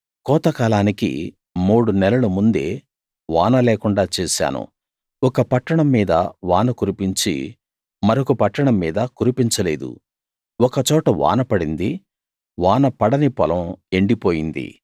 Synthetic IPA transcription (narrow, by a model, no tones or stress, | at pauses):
kɔːt̪ɐkaːlaːnikḭ | muːɽunɛlɐlumund̪e̞ː | ʋaːnɐlɛːkuɳɖaːt͡ʃɛːsa̰ːnṵ | ɔkɐpɐʈːɐɳɐmːiːd̪ɐ̰ʋaːnɐkuɾipiɲt͡ʃḭ | mɐɾokupɐʈːɐɳɐmːiːd̪ɐkuɾipiɲt͡ʃɐlḛːd̪ṵ | ɔkɐt͡ʃɔːʈɐʋa̰ːnɐpɐɽind̪i | ʋaːnɐpɐɽɐnipɐlɐme̞ɳɖipoːjind̪ḭ